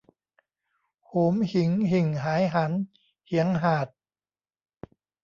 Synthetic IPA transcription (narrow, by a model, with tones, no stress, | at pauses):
hoː˨˩˦mhi˩˦ŋɦi˨˩ŋɦaː˩˦jɦa˩˦˥n | hi˩˦əŋɦaː˨˩t̪̚